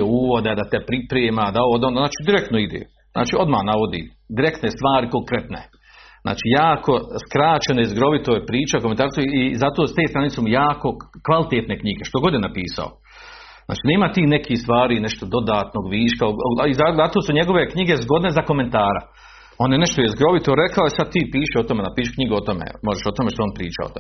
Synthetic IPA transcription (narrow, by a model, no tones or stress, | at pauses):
euːʋod̪ed̪at̪epɾipɾeːmad̪aood̪ond̪onaːt͡ʃiːd̪iɾek̚t̪noid̪ḛː | zna̰ːt͡ʃiːo̞d̪mahnaʋo̞d̪ḭː | d̪iɾekt̪ne̞st̪ʋaːɾikoŋkɾet̪nḛ | na̰ːt͡ʃiːjaːkʰo̞skɾaːt͡ʃenaizɡɾo̞ʋit̪ojpɾiːt͡ʃakoment̪aːɾsuizat̪ost̪eːst̪ɾanit̪semujaːko̞kʋalˠit̪eːt̪ne̞kɲiɡe̞ʃt̪oɡo̞d̪jenapiːsa̰o̰ | zna̰ːt͡ʃiːneːmat̪iːnekist̪ʋaːɾiːneʃt̪o̞d̪o̞d̪aːt̪no̞ːɡʋiːʃkaoɡoaizaat̪oːsuɲe̞ɡo̞ʋe̞kɲiɡe̞zɡo̞d̪ne̞zako̞me̞nt̪aːɾa̰ | onjeneʃt̪ojezɡɾo̞ʋit̪oɾe̞kaoisad̪̚t̪iːpiːʃeot̪omenapiːʃkɲiɡuo̞t̪omḛmo̞ʒeʃo̞t̪ome̞ʃt̪ooːnpɾiːt͡ʃa̰o̰t̪o̰me